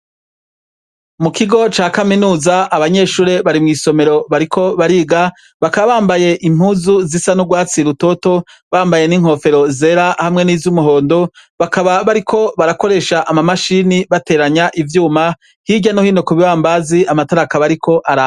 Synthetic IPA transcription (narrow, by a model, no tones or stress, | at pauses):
mukiɡo̞t͡ʃaːkaminuːzaaβaɲe̞ːʃuːɾe̞βaɾimŋiːso̞me̞ɾo̞βaɾikʰo̞βaɾiːɡa | βakaβaβaːmbaje̞ʔim̥uːzuzisanuɡwaːt͡siɾuto̞to̞ | βaːmbaje̞niŋ̥ho̞fe̞ɾo̞ze̞ɾahamŋe̞niːzumuɦo̞ːndo̞βakaβaβaɾikʰo̞βaɾako̞ɾe̞ːʃaʔamamaʃiniβate̞ːɾaɲaʔivjuːma | hiɟanohiːnokuβiβaːmbaziamataɾakaβaɾikʰo̞ʔaɾa